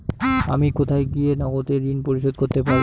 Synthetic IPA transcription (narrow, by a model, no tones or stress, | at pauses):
a̰mikot̪ʰajɡijenɔɡot̪eɾinpoɾiʃod̪koɾt̪epaɾ